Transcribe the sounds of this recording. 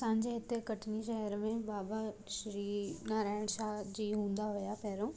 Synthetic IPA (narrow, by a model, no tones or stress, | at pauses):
sãːɲd͡ʑeɪt̪ːekɐʈʰniʃɛɦəɾmẽbaːbaʃɾiːnaːɾaːɪɽ̃ʃaːɦd͡ʑiːɦũːnd̪aɦʊjapɛːɾõː